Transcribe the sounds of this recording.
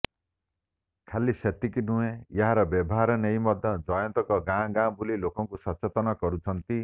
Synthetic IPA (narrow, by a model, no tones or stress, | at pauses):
kʰalːiset̪ːikinuẽjʌɦaɾʌbʌbʱɦaɾʌnejmʌd̪ʱːʌd͡zʌjʌnt̪ʌkʌɡãɡãbulilokɔŋkusʌt͡set̪ʌnakʌɾut͡sʰʌnt̪i